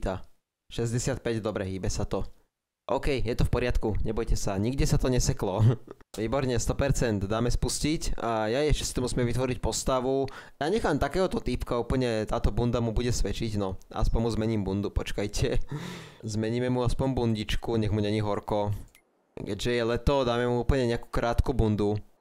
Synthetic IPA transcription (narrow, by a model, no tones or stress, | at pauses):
t̪a | ʃɛzɟɛsɪat̪̚pɛɟd̪ɔbɾɛɦiːbɛsat̪ɔ | ʔɔʊkɛjjɛt̪ɔfpɔɾɪat̪kuɲɛbɔjcɛsaɲiɡɟɛsat̪ɔɲɛsɛklɔʋiːbɔɾɲɛst̪ɔpɛɾt͡sɛnd̪d̪aːmɛspuscicjaɛʃt͡ʃcɛ̥sit̪ɔmusmɛʋit̪ʋɔɾic̚pɔst̪aʋujaːɲɛxaːmt̪akɛːɦɔt̪ɔt̪ipkauːpl̩ɲɛt̪aːt̪ɔbund̪amubuɟɛsʋɛt͡ʃiɟnɔa̰spɔɲmuzmɛɲiːmbund̪upɔt͡ʃkajcʰɛ | zmɛɲiːmɛmuaspɔɲbunɟit͡ʃkuɲɛɣmuɲɛɲiɦɔɾkɔ | kɛ̰ɟʒɛjɛlɛt̪ɔd̪aːmɛmuuːpl̩ɲɛɲɛaku̥kɾʔaːt̪kubund̪u